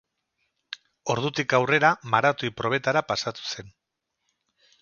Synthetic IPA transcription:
o̞ɾðut̪ikawre̞ɾamaɾat̪uipɾo̞β̞e̞t̪aɾapasat̪u̥se̞n

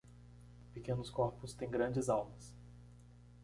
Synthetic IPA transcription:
pekẽnʊskɔɾpʊst̪ẽj̃ɡɾɐ̃d͡ʒɪzawmɐs

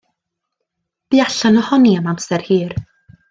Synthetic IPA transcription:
b̥iaɬanɔhɔniamamsɛrhiːr

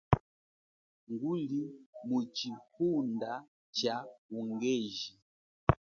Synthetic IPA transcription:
ŋɡulimut͡ʃihunda | t͡ʃauŋɡɛʒi

